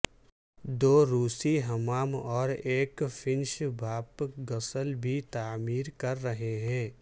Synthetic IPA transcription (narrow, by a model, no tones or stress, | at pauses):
d̪oːɾuːsiɦɐmaːmɔːɾeːkfʰɪ̃nʃbʱaːpɡɐsəlbʱit̪aːmiːɾkɐɾːɐɦeɦɛ̃ː